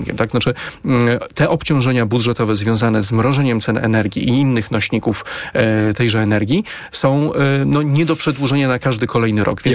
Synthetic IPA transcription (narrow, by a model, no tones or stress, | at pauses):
ŋkʲɛ̰mt̪ak̪at͡ʂɘ | t̪ɛʔɔpt͡ɕɔ̃w̃ʐɛɲabud̪ʐɛt̪ɔvɛzvʲjɔ̃w̃zanɛzmɾɔʐɛɲɛmt̪sɛnɛ̰nɛɾɡʲḭʔiinːɘxnɔɕɲikuf | t̪ɛjʐɛːnɛɾɡʲi | sɔ̃w̃nɔɲɛd̪ɔpʂɛd̪wuʐɛɲanakaʐd̪ɘkɔlɛjnɘɾʔɔ̰ɡvʲjɛn